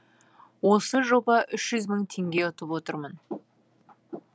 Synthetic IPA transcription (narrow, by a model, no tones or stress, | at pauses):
wo̞səʒo̞bɑʔʏʃʒʏzməɴt̪ʰe̞ŋɡʲe̞ʊt̪əpwot̪əɾmən